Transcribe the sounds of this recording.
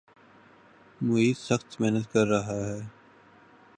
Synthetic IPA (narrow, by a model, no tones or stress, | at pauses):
mʊɦiːt̪sɐxt̪mɛɦnət̪kɐɾːɐɦaɦɛː